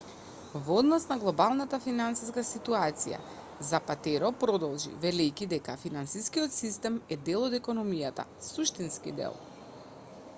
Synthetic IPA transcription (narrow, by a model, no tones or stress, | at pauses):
vɔd̪nɔsnaɡlˠɔbalˠnat̪afinansiskasit̪uat̪sḭja̰ | zapat̪ɛɾɔpɾɔd̪ɔlˠʒḭvɛlɛjkid̪ɛkafinansiskijɔt̪sist̪ɛmɛd̪ɛlˠɔd̪ɛkɔnɔmijat̪a̰suʃt̪inskḭd̪ɛ̰lˠ